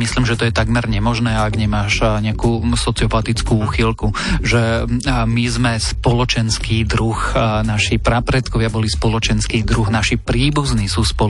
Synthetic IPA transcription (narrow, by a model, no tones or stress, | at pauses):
misliːmʒɛt̪ɔjɛt̪aɡmɛɾɲɛmɔʒnɛːaaɡɲɛmaːʃɲɛakuːsɔt͡siɪɔpat̪it͡skuuːxilkuʒɛmizmɛspɔlɔt͡ʃɛnskiːd̪ɾuxnaʃipɾapɾɛt̪kɔʋɪabɔlispɔlɔt͡ʃɛnskiːd̪ɾuɣnaʃipɾiːbuzniːsuːspɔ